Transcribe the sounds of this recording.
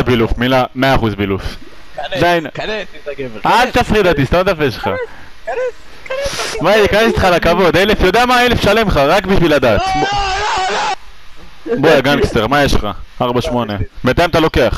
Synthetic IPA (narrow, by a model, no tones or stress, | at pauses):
bilufmilameaːχuzbiluf | d̪ain | alt̪afʁid̪at̪ist̪amat̪afeʃlχa̰ | maikanese̥t̪χalakavo̞d̪elefjo̞d̪eamaelefʃale̞mχaʁakbiʃvilad̪aːt̪b | boaɡankst̪eʁmajeʃχa̰aʁbaʃmo̞ne̞met̪ajmat̪alo̞ke̞aχ